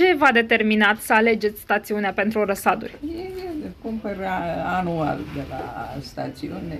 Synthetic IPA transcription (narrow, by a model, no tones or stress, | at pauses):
t͡ʃe̞vad̪e̞t̪e̞rminat̪səale̞d͡ʒe̞t̪sʲst̪at̪siuneape̞nt̪ɾuɾəsad̪ṵrʲjejekumpəɾaanua̰ld̪ela̰st̪at̪siunʲe